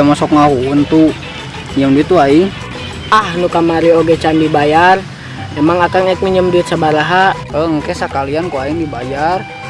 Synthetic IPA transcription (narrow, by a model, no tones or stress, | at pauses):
amasɔkŋaɦuunt̪u | iɲəmduit̪uai | ahnukamaɾioɡɛt͡ʃandibajar | emaŋakaŋɛk̚miɲəmduit̪sabaɾaɦa | əŋkɛsakaliankoaindibajar